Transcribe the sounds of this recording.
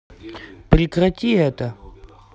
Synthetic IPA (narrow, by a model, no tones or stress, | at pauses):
prʲikrat̪ʲiɛt̪ə